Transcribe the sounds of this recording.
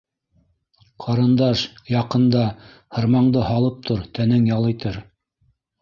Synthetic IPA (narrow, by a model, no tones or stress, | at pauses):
qʰɑɾɤ̆nd̪ɑʃjɑqɤ̆nd̪ɑ | hɤ̆ɾmɑɴd̪ɤhɑlˠɤp̚t̪ʰoɾt̪ænɘŋjɑlˠɤ̆jt̪ɤɾ